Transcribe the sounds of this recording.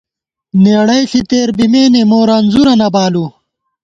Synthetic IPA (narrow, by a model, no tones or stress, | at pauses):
neːɽɐjɬit̪eːɾbimeːnemoːɾanzuɾɐnɐbaːlu